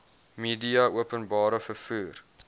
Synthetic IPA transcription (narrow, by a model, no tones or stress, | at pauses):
miːdiɐuəpənbɑːɾəfərfuːr